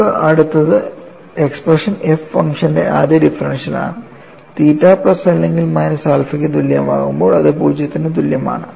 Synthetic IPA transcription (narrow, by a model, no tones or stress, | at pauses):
ɨʔɐɽut̪ːɐðɨ | e̞ksprɐʂɐnefːɐ̰ŋkʂɐnde̞̰ʔaːd̪jɐdifɐɾɐnʂɐla̰ːɳɨ | t̪iːtːaːprɐsɐlːeŋɡilmɐjnɐsaːlfikʲːɨt̪uljɐma̰ːɣumbo̞ːɭɐðɨpuːd͡ʑjɐt̪ːinɨt̪̬uljɐma̰ːɳɨ